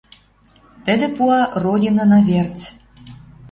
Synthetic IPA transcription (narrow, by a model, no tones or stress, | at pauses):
t̪ə̆d̪ĕpuɑrodʲinɑnɑvert͡s